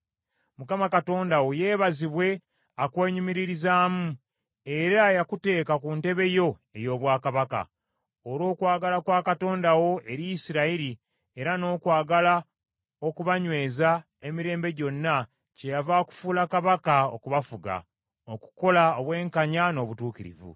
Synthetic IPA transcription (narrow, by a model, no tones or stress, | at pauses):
mukamakato̞ːndawojeːβaziβwe̞ | akwe̞ːɲumiɾiɾizaːmu | eɾajakute̞ːkakunte̞βe̞jo̞e̞jo̞ːβwaːkaβaka̰ | oɾo̞ːkwaːɡalakwaːkato̞ːndawo̞ʔe̞ɾijisiɾaiɾi | eɾano̞ːkwaːɡala | o̞kuβaɲwe̞ːza | emiɾe̞ːmbe̞ɟo̞nːa | ce̞javaku̥fuːlakaβakao̰kuβafuɡa̰ | oku̥ko̞laoβwe̞ːŋkaɲano̞ːβutuːkiɾḭvṵ